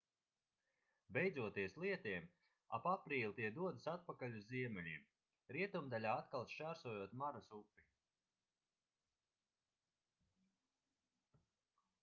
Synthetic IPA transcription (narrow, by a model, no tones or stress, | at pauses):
bʲejd̪zuɔt̪iɛslˠiɛt̪iɛm | a̰papɾiːlʲˠit̪iɛd̪uɔd̪ɨsat̪̚pakalʲuzziɛmɛlʲim | ɾiɛt̪umd̪alʲaːat̪kalˠʃt͡ʃaːɾsuɔjuɔt̪maɾasupːi